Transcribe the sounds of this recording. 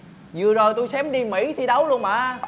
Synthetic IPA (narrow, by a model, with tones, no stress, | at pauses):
zɨ̰˨əzo˨˩jt̪u˧jsɛ˨˦mɗi˧mḭ˧˥t̪ʰi˨˩ɗə˨˦wlu˧ənma̰ː˧˨˦